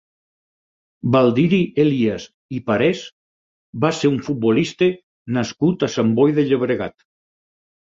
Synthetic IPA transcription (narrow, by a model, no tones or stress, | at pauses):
balˠd̪iɾielias | ipaɾes | baseɾuɱfut̪̚bolist̪e | naskut̪asambɔjðeʎeβ̞ɾeɣa̰t̪